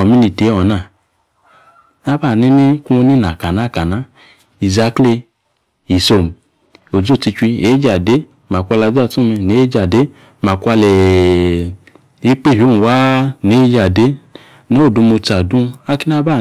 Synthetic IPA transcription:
ɔ˨mu˦ni˧˨te˨˦ɔ˨na˦˨ | na˦ba˦˨ni˦ni˦ku˦o˧ni˦na˨ka˨na˨˦˨ka˨na˨˦ | i˨za˦kli˧ | i˨so˨m˨ | o˨d͡ʒu˦˨ti˧t͡ʃʷi˧e˨˦d͡ʒa˨de˨˦ | ma˨kʷa˧la˧za˦˧˨tũ˦me˧ne˨˦d͡ʒa˨de˦ | ma˨kʷa˧lɛ˨ | e˨˦k͡pe˦˨ɦo˨˦nu˨wa˦ne˨˦d͡ʒa˨de˨˦ | no˦˨du˧mo˧ta˨dũ˦a˦ki˦n˦a˦ba˦˨

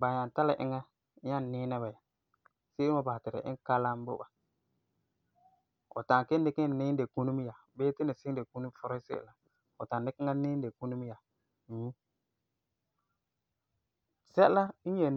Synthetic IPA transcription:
ba˨ɲa˨n˨ta˦la̰˨ʔɪ̰˦ŋa˦ | a˦˨nɪː˦nɛ˦ba˨ja˨ | se˦ɪ˦ma˦˨ba˨tɪ˨ɾɪ̰˨ʔɪ̰˦ŋ˦ka˦la˦m˦bʊ̰˦ba˨ | ɔ̰˨ta˨ŋ˨kɪ˦n˦dɪ˦kɪ˦˨nɪ˦nde˨ku˦nu˦m˦ja˨ | beː˦tɪ˦nɪ˨sɪ˦de˨ku˦nu˦m˦fɔ˦ɾɔ˦sḛ˦˨la˨ | ʊ˨tã˨ndɪ˦kɪ˦ŋa˦nɪ˦n˦de˨ku˦nu˦m˦ja˨ | ju˦ | sɛ˦la˦je˨

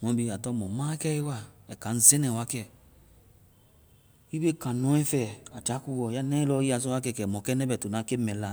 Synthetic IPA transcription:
ŋɔ̃˧˦bi˧˨a˨tɔ˦˨mɔ̃˨mã˦kɛ˦i˦wa˦ɛ˨ka˨n̩˦ze˦nɛ̃˨wa˦kɛ˦˨ | i˦be˦˨kã˨nɔ̃˨˦ɛ̃˦fɛ˨a˨d͡ʒa˨˦ku˧wɔ˨ja˦nɛ˦i˦lɔ˧˦i˦a˨s̬ɔ˦wa˦kɛ˧˨kɛ˨mɔ˨kɛ˦nɛ˦bɛ˨to˨na˨˦ke˦mɛ̃˨la˨

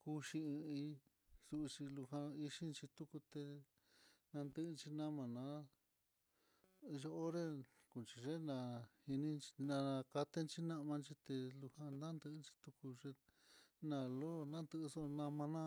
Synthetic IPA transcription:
ku˧ʃi˧ɨ̃˧ĩ˧ | su˧t͡ʃi˧lu˧hã˧i˧ʂi˦nt͡ʃi˧t̪u˦ku˧t̪e˧ | nã˧nd̪ɨ˦ʔnt͡ʃi˧nã˦mã˨nã˨˧˦ | ʒo˧˦o˦ɾe˦ | ku˨nt͡ʃi˧ʐe˦nã˧hi˧nĩ˦t͡ʃi˧nã˧ka˧t̪e˦nt͡ʃi˦nã˦ʔmã˧nt͡ʃi˧t̪e˧lu˧hã˧nã˦nd̪ɨ˧˦nt͡ʃi̥˧t̪u˧ku˧ʐe˧nã˧lo˦˨nã˦nd̪ɨ˧so˦nã˧mã˧nã˦

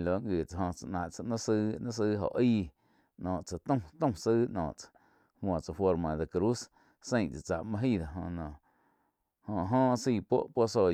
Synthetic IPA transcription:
lo˨˦ŋɡi˨t͡sa˨ɦõ˧t͡sa˨ʔnã˨ʔt͡sa˧nã˦sɨ˦nã˦s̬ɨː˧ɦo̰˨ʔiː˦ | nɔ̃ː˨ʔt͡sa˨t̪õ˦t̪õ˦sɨː˦nɔ̰̃ː˨ʔt͡sḁ˨ | hwã˨t͡sa˧fwo˧ɾmã˨d̪e˧kɾu˦s | sẽ˦˧j̃t͡sa˨t͡sa̰˨ʔmã˦ɦi˦˧d̪a˨ɦõ˧nɔ̃˨ | hõ˧ɦõ˦siː˧˨po̰˦ʔpo˦ʔso˧˨

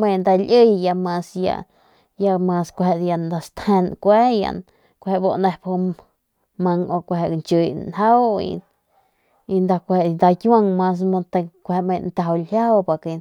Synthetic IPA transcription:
mẽ˧˨nd̪a˧lʲʔə˦˧jja˧mã˧sja̰˧ | ja˧mã˧skʷhe˧ʔd̪ja˧nd̪a˧st̪ẽ˧nkʷe˦ja̰˧n | kʷhe˧ʔbo˧ʔnẽ˧hphu˧ | mã˧ŋo˧kʷɦe˧˨nt͡ʃu˧jnha˦wḭ˧ | i˧nd̪a˧kʷe˧˨˧nd̪a˧kʲja˦˧ŋmã˧s̬mo˧t̪e˧kʷhe˧ʔmẽ˧nt̪a˧˨a˧lhja˦wpa˧˨ki˧

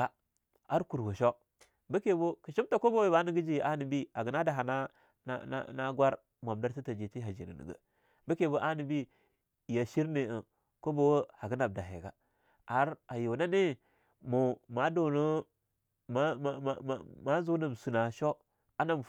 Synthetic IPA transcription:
a˨ | a˦ɾku˨ɾɡo˨ʃo˦ | bə˦ke˨bo˦ki˨ʃi˦mta˨ko˦bo˦we˦ba˦nə˨ɡi˦d͡ʒi˦˨a˦ni˨bi˦a˨ɡə˨na˦da˨ɦa˨na˦ | n̰˦n̰˦na˦ɡwa˦ɾ | m˨a˨mda˦ɾti˦ta˨d͡ʒe˨ti˦ɦa˨d͡ʒḭ˨nə̰˨nə̰˨ɡə̰˨ | bə˦ke˨bo˦ʔa˦ni˨bi˦ | ja˨ʃi˦ɾne˨ə˨ | ko˦bo˨wə˦ha˨ɡə˦na˨b̚da˨ɦḛ˨ɡa̰˨ | a˨˦ɾa˨jo˨na˦ne˦ | mu˨ma˨do˨no˦ | ma˦˨ma˦zu˦na˨m˨su˨na˨ʃo˦ | a˦na˦m˨

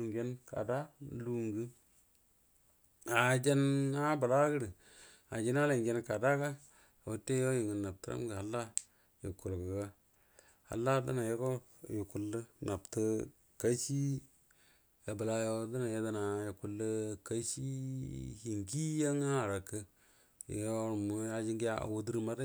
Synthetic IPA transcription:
ŋɡe˦nka̰˨da˦˨lu˦ŋɡi˦ | a˨d͡ʒe˦na˦bə˨la˦ɡə˦ɾə˨ | a˨d͡ʒi˦na˦le˨ŋɡe˦nka˨da˦ka˦ | a˨wu˦tːe˦jo˦ji˨ŋə˨nːa˨p̚tə˦ɾa̰˦m˦ɡə˨a˨lːa˦ | ji˨ku˨lkə˨ka˦ | ha̰˨lːa˦da̰˦na˨je˦ko˦ | ji˨ku˨lːə˦na˨ptə˦ | ka˦si˦ | ja˨bə˨la˨jo˦da˦na˨ja˦da˦na˨ja˨ku˨˦lːə˦ka˦si˦hi˨ŋki˦ja˦ŋa˦˨ɾa˨kːə˦ | j̰o˦ɾmu˨a˦d͡ʒi˦ŋɡi˦ja̰˦˨wo˦du˦ɾi˦ma˦ɾ

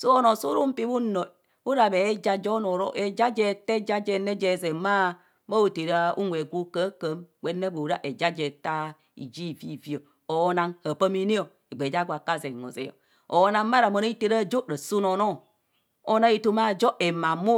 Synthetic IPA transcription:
su˦o˦no˨su˦ɾu˦m̩˦pi˦bu˦no˨ | u˦ɾa˨be˨˦d͡ʒa˦d͡ʒo˦no˨ɾo̰˦ʔe˨d͡ʒa˦d͡ʒe˦te˦d͡ʒa˦d͡ʒe˦ne˦d͡ʒe˨ze˨ma˦ | ma˦u˨te˨ɾa˦ṵ˦nwe˨ɡu˦kə˦kə˨˦mɡ͡bʷe˨˦nːe˦bu˨ɾa˦ʔe˨d͡ʒa˦d͡ʒe˨ta˦ | ḭ˨d͡ʒi˦˨vi˦˨vi˦o˨ | o˨˦na˦ŋha˨pə˦mi˦ni˦o˨ | e˨ɡ͡be˨d͡ʒa˦ɡʷa˨ka˦ze˨ŋo̰˨zḛ˨jo̰˨ | o˨˦na˦m˦ma˦ɾa˨mo˨no˦i˦te˦ɾa˦˨d͡ʒo˦ɾa˨su˦no˨no˦˨ | o˦na˦i˦tu˦ma˦˨d͡ʒo˦e˨ma˨mu˦

